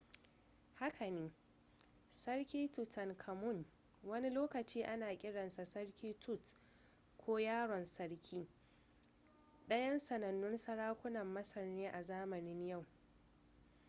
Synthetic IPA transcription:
ha˦kʰa˨neː˨˦ | sɐ˦rkʲiː˦tʊ˨tɐ˨ŋkʰɐ˨mʊ˦˨n | wɐ˦ni˦loː˦kɐ˨t͡ʃiː˦ʔa˦naː˨kʲʼɪ˦ɽɐ˨nsa˨sɐ˦ɽkʲiː˦tʊ˦˨t | kʷʰoː˦jaː˦ɽɔ˨nsɐ˦ɽkʲʰiː˦ | ɗɐ˦jɐ˦nsɐ˨nɐ˨nːʊ˦nsɐ˦ɽaː˦kʷʊ˦nɐ˨mːɐ˦sɐ˨rneː˦ʔa˨zaː˦mɐ˨nɪ˦ɲja˦˨w

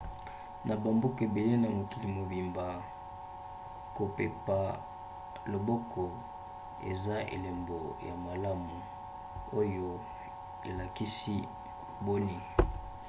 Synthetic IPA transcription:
na˨ba˨mbu˦ke˨be˨le˦na˨mo˨ki˨li˨mo˨bi˨mba˨ | ko˨pe˨pa˨ | lo˨bɔ˦kʰɔ˨ | ḛ˨za˦ʔḛ˨le˨mbo˨ja˨ma˨la˦mu˨ | o˦jo˦ | e˨la˨ki˦si˦ | bo˦ni˦

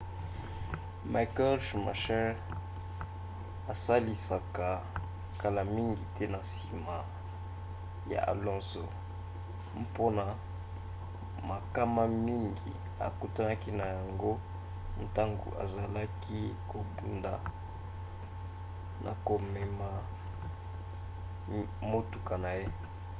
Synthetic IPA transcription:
ma˨kɛ˦lʃma̰˨ʃɛ˦ʁ | a˨sa˦li˨sa˨ka˨ | ka˨la˨mi˦ŋɡi˨tɛ˦na˨si˨ma˨ | ja̰˨ʔa̰˨lɔ̃˦so˨ | m˦po˦na˦ | ma˨ka˦ma˦mi˦ŋɡḭ˨ | a̰˨ku˦ta˦na˦ki˦na˨ja˨ŋɡo˦ | n̩˨ta˦ŋɡo̰˨ʔa̰˨za˨la˦ki˦ko˨bu˦nda˨ | nʔa̰˨ko˨me˨ma˨ | mo˦tu˨ka˨na˨je˦

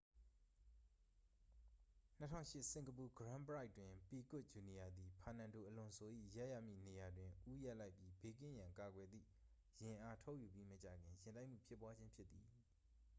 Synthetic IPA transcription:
n̥ətʰã̰˦ʊ̃ʃɪ˦˨ʔsɪ̃˨ŋɡəp̬u˨ɡəɹã˦mpəɹa˦ɪʔtːwɪ̃˨pi˨kʊ˦t̚d͡ʑu˨ni˨ja˨d̪i˨pʰa˨nã˨ndo˨ʔəlʊ̃˨nsʰo˨ʔḭ˦˨ja˦ja̰˦˨mḭ˦˨ne˨ja˨dwɪ̃˨ʔu˦ja˦ʔla˦ɪpji˦be˦˨k̬ɪ̰̃˦˨jã˨ŋka˨ɡwɛ˨d̪ðḭ˦˨ | jɪ̃˨ʔa˦tʰo˦ʊʔju˨pji˦mət͡ɕa̰˨ɡɪ̃˨jɪ̃˨nd̪ã˦ɪ̃ʔm̥ṵ˦˨pʰjɪ˦pːwa˦d͡ʑɪ̃˦mpʰjɪ˦t̪t̪ːi˨

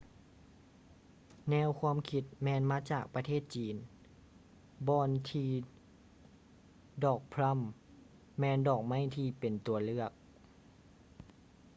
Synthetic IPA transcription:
nɛː˧˥˨wkʰaː˧˥˨mkʰi˧˥t̪̚mɛː˧˨nmaː˧˥˨t͡ɕaː˨˩k̚pa˧t̪ʰeː˥˩t̪̚t͡ɕiː˨n | bɔː˧nt̪ʰiː˧ | dɔː˨˩k̚pʰla˧˥˨mː | ɛː˧˨ndɔː˨˩k̚ma˧˥˩jt̪ʰiː˧pe˨˩nt̪u˨˩ɐlɯ˧˩ɐk̚

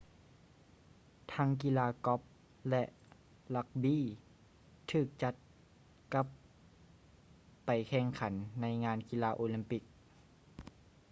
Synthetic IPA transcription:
t̪ʰaː˧˥ŋk̬i˧˥laː˧kɔ˧˦˥p̚ | lɛ˧ʔ | la˧k̚biː˧˥˨ | t̪ʰɯː˧˩k̚t͡ɕa˧˥t̪̚ | ka˧˦p | a˨˩jkʰɛː˧˩ŋkʰa˨˦nːa˧˥jŋaː˧˥˨nki˧laː˧ʔoː˧li˧˦mpi˧˩k̚

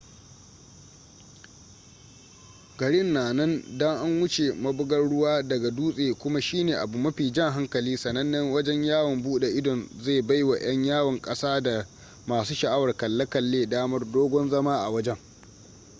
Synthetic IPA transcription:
ɡɐ˨ɽɪ˦nːaː˨nɐ˦ndɔ˦ŋʔa˦ŋwʊ˦t͡ʃe˨mɐ˦bʊ˦ɡɐ˦rɽʊ˦waː˦dɐ˨ɡa˨duː˦sʼeː˨kʷʊ˦ma˦ʃiː˦neː˨ʔa˨bu˨mɐ˦ɸiː˨d͡ʒɐ˦ŋɦa˦ŋkɐ˨liː˦sɐ˨nɐ˦nːɐ˦ŋwɐ˦d͡ʒɛ˦ɲjaː˦wɔ˨mbuː˦ɗe˨ʔɪ˦dɔ˨nzeː˦˨ba˦jwa˨j̰ɐ˦ɲjaː˦wɐ˨ŋkʼɐ˦saː˦da˨ | maː˨suː˦ʃɐ˨ʔa˦wɐ˨rkɐ˨lːɐ˦kɐ˨lːeː˦daː˦mɐ˦rdoː˦ɡʷɔ˦nzɐ˦maː˦ʔa̰˨wɐ˦d͡ʒɛ˦ŋ

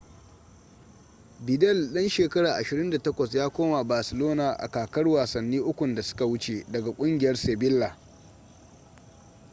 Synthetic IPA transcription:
bɪ˨dɛ˦˨lɗɐ˦nʃeː˨kɐ˦ɽaː˨ʔa˨ʃɪ˨ɾɪ˦nda˨tɐ˦kʷɐ˨s̬jaː˦kʷoː˦ma˨baː˨sɪ˨loː˦na˨ʔa̰˨kaː˨kɐ˦rwaː˨sɐ˨nːiː˦ʔʊ˦kʷʊ˨nda˨sʊ̥˦ka˨wʊ˦t͡ʃe˨dɐ˨ɡa˨kʷʼʊ˦ŋɡʲɪ˨jɐ˦rseː˨bɪ˦lːa˨

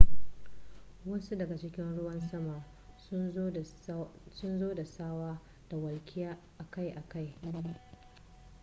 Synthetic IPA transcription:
wɐ˦su˦dɐ˨ɡa˨t͡ʃɪ˦kʲɪ˦nɽʊ˦wɐ˦nsɐ˦ma˨˦ | sʊ˦nzoː˦da˨saː˦waː˦ | d̥a˨wɐ˨lkʲʰɪ˦jaː˦ʔa˨ka˦jʔa˨ka˦j

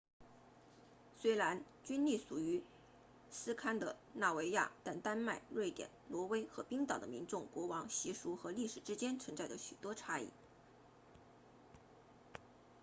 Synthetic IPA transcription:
swe˥ɪɻa˧˥n | t͡ɕy˥nli˥˩ʂu˨˩y˧˥ | sɹ̩˥kʰa˥nd̪ə˨na˥˩we˧˥ɪja̰˥˩t̪a˥˩nt̪a˥nma˥˧ɪɻwe˥˩ɪt̪jɛ̰˨˩˦nlwɔ˧˥we˥ɪxɤ˧˥pi˥ŋt̪ɑ˨˩d̪ə̰˦mḭ˧˥nʈ͡ʂʊ˥˩ŋkwɔ˧˥wɑ˧˥ŋɕi˧˥ʂu˧˥xɤ˧˥li˥˩ʂɻ̩˨˩ʈ͡ʂɻ̩˥t͡ɕjɛ˥nt͡sʰɤ˧˥ŋt͡sa˥˩ɪd̪ə˩ɕy˨˩t̪wɔ˥ʈ͡ʂʰa˥ḭ˥˩

